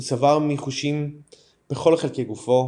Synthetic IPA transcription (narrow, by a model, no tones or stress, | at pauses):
savaʁmiχuʃim | b̥eχo̞lχelkejɡufo̞